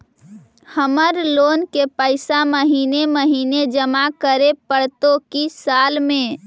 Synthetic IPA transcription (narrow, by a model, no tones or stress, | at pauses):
həməɾloːnkepəɪsaməɦineməɦiːned͡ʒəmakəɾepəɽt̪okisalmẽ